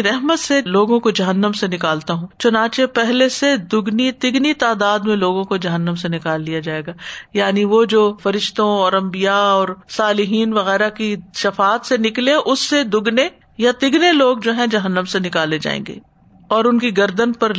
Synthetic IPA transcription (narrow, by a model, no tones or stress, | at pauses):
ɾɛɦmət̪seloːɡõkod͡ʒɐɦənːəmsenɪkaːlt̪aɦũːt͡ʃʊnãːt͡ʃepɛɦlesed̪ʊɡnit̪ɪɡnit̪aːd̪aːd̪mẽloːɡõkod͡ʒɐɦənːəmsenɪkaːlːijad͡ʒaːeːɡaːjaːniʋoːd͡ʒoːfɐɾɪʃt̪õɔːɾɐ̃mbijaɔːɾsaːlɪɦiːnʋɐɣɛːɾakiʃɐfaːt̪senɪklẽʔʊsːed̪ʊɡne | jat̪ɪɡneloːɡd͡ʒoːɦɛ̃d͡ʒɐɦənːəmsenɪkaːled͡ʒa̰ːḛ̃ːŋɡḛː | ɔːɾʊnkiɡɐɾd̪ənpɐɾ